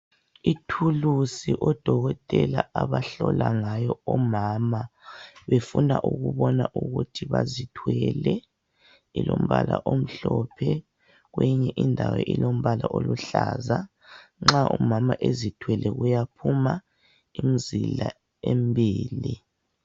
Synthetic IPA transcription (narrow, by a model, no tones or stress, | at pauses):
itʰulusiʔɔd̥ʱɔɣɔtʼɛlaaβaɬɔlaŋajɔɔmaːmaβefunaʔuɣuβɔnaʔuɣutʰiβazitʰwɛlɛ | ilom̩βala̰ʔom̩ɬɔpʰɛ | ɣweɲɛʔindʱawɛʔilom̩βalaʔoluɬaːza | ŋ͡ǁaʔumamaʔezitʰwɛlʔɛɣujapʰuma | imizila | embʱiːli